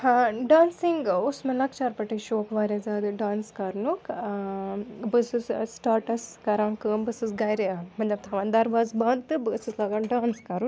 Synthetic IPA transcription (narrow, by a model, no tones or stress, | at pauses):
hãɖaːnsiŋɡusmelɐkt͡ʃaːɾpɐʈiʃoːkʰʋaːɾʲaːzaːd̪ɨɖaːnskɐɾnuk | bɨsɨssʈaːɾʈɐskɐɾãːnkəːmbɨsɨsɡɐjɾeamɐnlɐb̚t̪ʰɐʋaːnd̪ɐɾʋaːzbãːnt̪ɨbɨsɨslaːɡaːɖãːnskɐɾu